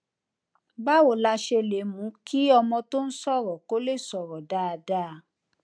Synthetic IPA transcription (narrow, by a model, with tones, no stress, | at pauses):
ba˦wo˨la˧ʃe˧le˨˦mũ˨˦kʰi˦ɔ˧mɔ̃˧to˦n̩˦sɔ˦˨ɾɔ˨ko˦le˦˨sɔ˨ɾɔ˨da˨˦a˨˧da˦˨˦